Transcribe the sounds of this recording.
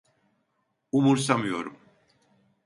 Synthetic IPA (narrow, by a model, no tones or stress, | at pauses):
umuɾsamɯjo̞ɾum